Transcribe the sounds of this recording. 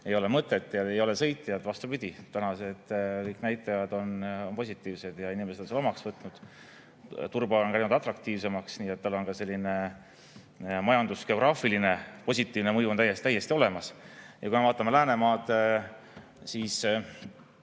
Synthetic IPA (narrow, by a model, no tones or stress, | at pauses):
e̞jo̞le̞mɤt̪ːˑe̞t̪ːˑjɑejo̞le̞sɤ̞jt̪ʲːˑijɑd̪̥vɑst̪upid̪̥ʲit̪ænɑsed̪̥kɤjknæjt̪ːˑɑjɑd̪̥o̞nonpo̞sʲit̪ːˑiːvse̞d̪̥jɑinimesed̥̪selo̞mɑksvɤt̪ˑnud̪̥ | t̪urbɑonkæjnud̪ɑt̪ːˑrɑk̚t̪iːvse̞mɑksniːet̪̚ːɑlːo̞nkɑse̞lʲːine̞ | mɑjɑnd̪uske̞o̞ɡrɑːfiline̞po̞sʲit̪ːˑiːvne̞mɤjuot̪æjːe̞st̪t̪æjːe̞st̪io̞le̞mɑsjʔɑkujmeɑːt̪ːˑɑme̞læːne̞mɑːd̪̥ | siːs